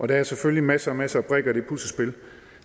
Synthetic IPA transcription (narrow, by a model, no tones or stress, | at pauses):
ʔɒ̽d̥ææɐseføllimæsəɒmæsəɒb̥ʁɛɡ̥ɐd̥e̝pʰulsəsb̥e̝l